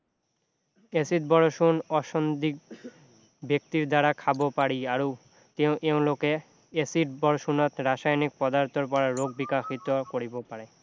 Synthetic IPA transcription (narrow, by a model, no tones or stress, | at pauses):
esit̪̚bɔɾoʃunɔʃond̪ik̚ | bek̚t̪iɾd̪aɾakʰabopaɾiaɾo | t̪ewʔeõloke | esiɾbɔɾoʃunot̪ɾaʃajnik̚pɔd̪aɾt̪ʰoɾpɔɾaɾoɡ̚bikaxit̪okoɾibopaɾe